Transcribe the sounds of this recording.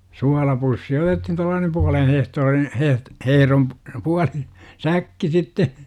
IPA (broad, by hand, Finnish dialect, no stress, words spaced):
suɑlɑpusːi otethin tuɑlːɑːnem puɑlen hehtoːrin heh hehĕrom p puɑli sækːi sitːe